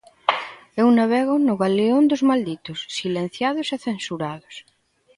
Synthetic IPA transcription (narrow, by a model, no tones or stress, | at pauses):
ewnaβɛɣonʊɣaleond̪ozmald̪it̪osːilẽn̟θjaðoseθensuɾaðos